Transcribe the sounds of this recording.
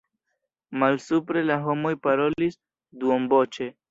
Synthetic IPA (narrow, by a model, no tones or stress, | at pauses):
malsupɾe̞laɦo̞mo̞jpaɾo̞lis | duombo̞t͡ʃe̞